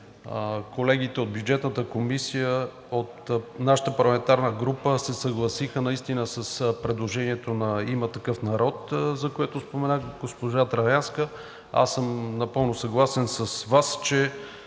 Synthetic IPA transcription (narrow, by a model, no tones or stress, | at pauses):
kolɛɡit̪ɛod̪̚bjud͡ʒɛt̪nət̪əkomisijə | ot̪naʃə̥t̪əpɐɾlˠɐmɛnt̪aɾnəɡɾupəsɛsɐɡlˠɐsixənɐist̪inəsɐspɾɛd̪lˠoʒɛniɛt̪onɐimət̪ɐkɤfnɐɾɔt̪zɐkojɛt̪ʊspomɛnaɡospoʒat̪ɾɐɾanskə | a̰sːɤmnɐpɤlˠnʊsɐɡlˠasɛnsɐsvast͡ʃɛ